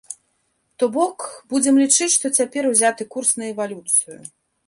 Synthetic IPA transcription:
t̪ɔbɔkbud͡zʲɛmlʲit͡ʂɨt͡sʲʂt̪ɔt͡sʲapʲɛɾuzʲat̪ɨkursnɐɛvalʲut̪sɨjʊ̰

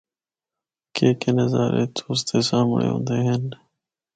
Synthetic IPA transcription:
keːkenɐzaːɾḛt̪ʰuːs̬t̪eːsãːmɽḛːɦõ̰ːnd̪eɦen

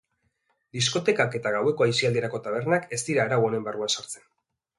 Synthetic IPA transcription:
d̪is̬ko̞t̪e̞kake̞t̪aɣawe̞ko̞ajsiald̪ieɾako̞t̪aβ̞e̞ɾnake̞st̪iɾaːɾawone̞mbaruansaɾt͡se̞n

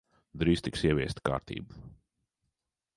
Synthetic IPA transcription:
d̪ɾiːst̪iksiɛvʲiɛst̪ka̰ːɾt̪ḭːbu

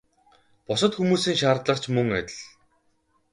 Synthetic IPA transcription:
pʊsə̆t̪xumuːsiːŋʃaːrt̪ɮə̆qt͡ɕʰmɵŋæ̰t̪ʲɪ̆ɮ

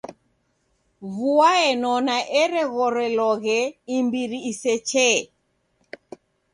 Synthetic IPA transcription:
βuaɛnɔnaʔɛɾɛɣɔɾɛlɔɣɛimbiɾiːsɛt͡ʃɛ

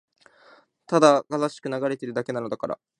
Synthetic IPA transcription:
t̪ad̪aɡ̥azaɕi̥kɯ̟naɡaɾe̞t̪e̞ɾɯ̟d̪ake̞nanod̪akaɾa̰

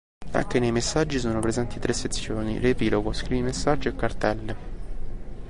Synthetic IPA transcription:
a̰ŋk̟enejmesːad͡ʒːisoːnopɾezɛnt̪it̪ɾesːet̪sːjoːnḭrepiːloɡoskɾivimesːad͡ʒiekːart̪ɛlː

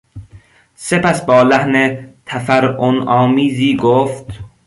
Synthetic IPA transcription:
se̞pæsbɒːlæhnet̪ʰæfæɾonɒːmiːziːɡoft̪

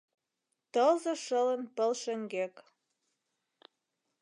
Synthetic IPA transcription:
t̪ɤlzoʃɤlə̆npə̆lʃɘ̆ŋɡek

